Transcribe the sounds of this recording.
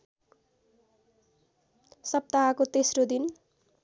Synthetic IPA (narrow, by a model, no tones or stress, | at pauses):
sʌp̚t̪aɦakot̪esrod̪in